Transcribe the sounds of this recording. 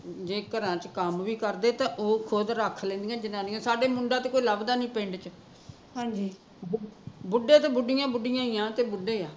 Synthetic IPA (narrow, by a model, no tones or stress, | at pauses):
d͡ʒeːkəɾãːt͡ʃkəmʋiːkəɾd̪eːt̪ãːʔoːkʰoːd̪ɾaːkʰlẽːnd̪ijãːd͡ʒɪnãːnijãːsaːɖeːmʊɳɖaːt̪eːkoːiːləbd̪aːnĩːpɪ̃ɳɖt͡ʃ | ɦãːd͡ʒiː | bbʊɖeːt̪eːbʊɖɪjãːbʊɖɪjãːiːãːt̪eːbʊɖeːaː